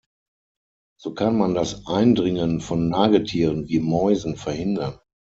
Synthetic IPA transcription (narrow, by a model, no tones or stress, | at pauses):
z̥oːkʰanmandasʔaɪndʁɪŋənfɔnːaːɡl̩tʰiːʁənviːmɔʏzn̩fɛɐhɪndɐn